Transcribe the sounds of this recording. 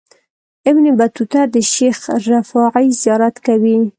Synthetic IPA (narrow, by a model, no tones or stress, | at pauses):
ɪbnibat̪ut̪aɾd̪əʃexɾafɑʕəjzijɑɾat̪kawi